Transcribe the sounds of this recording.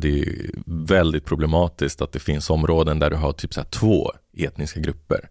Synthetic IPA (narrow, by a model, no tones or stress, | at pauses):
d̪ɛæ̰vɛld̪ɪt̪̚pʰɾʊblɛmɑːt̪ɪskt̪at̪̚d̪ɛfɪnsɔmɾoːd̪ənd̪æɖɵɦaʈʰyːpsɛːʈ̪ʰvo̰ː | eːt̪nɪskaɡɾɵpːə̰ɾ